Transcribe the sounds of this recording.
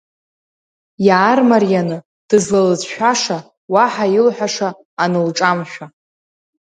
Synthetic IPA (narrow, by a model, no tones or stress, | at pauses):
jaːrmarijanɨ | d̥ɨzlalɨzʃᶣaʂa | waħailħʷᶣaʂaː | nɨlʈ͡ʂʼamʃᶣa